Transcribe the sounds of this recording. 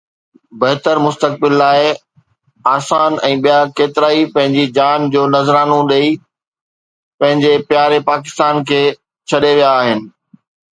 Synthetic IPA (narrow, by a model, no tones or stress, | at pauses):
bɐɦɪt̪əɾmʊst̪ək̚bɪlːaːɪ | aːsaːnɛ̃ːɓijakeːt̪ɪɾaːipɐ̃ɦɪ̃ɲd͡ʑid͡ʑaːnd͡ʑoːnɐzɾaːnõɗei | pɐ̃ɦɪ̃ɲd͡ʑepjaːɾepaːk̬ɪ̥st̪aːnkʰeː | t͡ɕʰɐɗeʋijaːɦɪnɪ̆